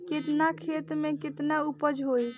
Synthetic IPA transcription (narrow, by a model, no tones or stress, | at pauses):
kit̪nakʰet̪mekit̪naupəd͡ʒʱɦoj